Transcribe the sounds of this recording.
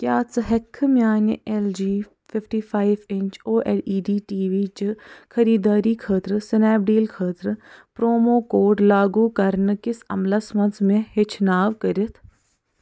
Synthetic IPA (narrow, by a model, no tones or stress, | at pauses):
kjaːt͡sɦɐkʰːmʲjaːnʔeld͡ʒiː | fɪfʈiːpʰaːɪʋẽɲt͡ʃoːʔeːɾiːɖiːʈiːʋiːt͡ʃɨkʰɐɾiːd̪aːɾiːkʰəːt̪ɾɨsɪnɛːbɖiːlkʰəːt̪ɾɨpɾoːmoːkoːɖlaːɡuːkɐɾnɨkɪsɐ̰mlɐsmɐ̃nsmẽɦɪt͡ʃʰnaːʋkɐɾət̪ʰ